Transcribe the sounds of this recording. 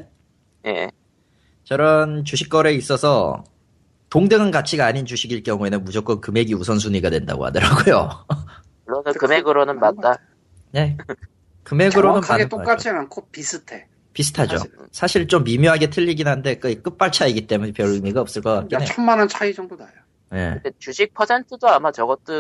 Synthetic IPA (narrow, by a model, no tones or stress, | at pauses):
jḛ | t͡ɕʌɾʌnt͡ɕuɕʰik͈ʌɾe̞is͈ʌsʰʌ | toŋdɯŋɯnɡat͡ɕʰiɡaːɲint͡ɕuɕʰiɡiɭkjʌŋue̞nɯnmud͡ʑok͈ʌnkɯme̞ɡiusʰʌns̬ʰuɲiɡadwe̞nda̰ɡo̰ɦa̰dɯɾa̰ɡojo̰ | uːonɯkɯmeɡɯɾonɯnmat̚t͈a | ne̞ | kɯme̞ɡɯɾonɯnaeɯt͈ok͈at͡ɕ͈iankʰopisʰɯtʰe | pisʰɯ̥tʰad͡ʑo̰sʰaɕʰiɭt͡ɕomːimjoɦaɡe̞tʰɯʎːiɡinɦande̞k͈ɯik͈ɯp͈aɭt͡ɕʰaiɡit͈e̞munepjʌɾɯmiɡaʌps͈ɯɭk͈ʌk͈a̰kk͈ineʌmmanant͡ɕʰaid͡ʑʌŋbodajo | je̞̰det͡ɕud͡ʑik̚pʰʌsʰe̞ntʰɯdoamat͡ɕʌɡʌt͈o